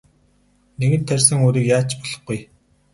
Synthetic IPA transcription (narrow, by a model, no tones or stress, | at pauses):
neɣɘ̆nt̪ʰːærʲsɘ̆ŋuːɾiːkjaːt͡ɕpɔɮ̥ɞ̆χɡuj